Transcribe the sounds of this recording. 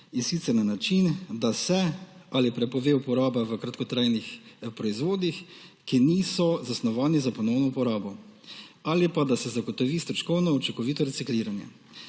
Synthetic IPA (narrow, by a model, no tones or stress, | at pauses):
insit̪sɛɾnanat͡ʃind̪asɛalipɾɛpɔʋeːupɔɾaːbaʋəkɾat̪kɔt̪ɾaːjnixpɾɔizʋoːd̪ixkiniːsɔzasnɔʋaːnizapɔnɔwnɔupɔɾaːbɔ | alipad̪asɛzaɡɔt̪ɔʋiːst̪ɾɔʃkɔwnɔɔt͡ʃiŋkɔʋiːt̪ɔɾɛtsikliːɾanjɛ̰